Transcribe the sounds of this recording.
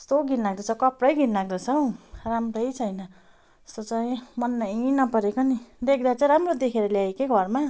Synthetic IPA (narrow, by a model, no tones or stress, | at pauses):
ʌst̪oɡʱinlaɡ̚d̪ʌt͡sʰʌkʌprʌjɡinlaɡ̚d̪ʌt͡sʰʌramrʌjt͡sʰʌjnʌ | ʌ̥st̪ot͡saĩmʌnmainʌpʌɾekonid̪ek̚ʰd̪at͡saĩɾamrod̪ekʰeɾʌljaekeɡʱʌrma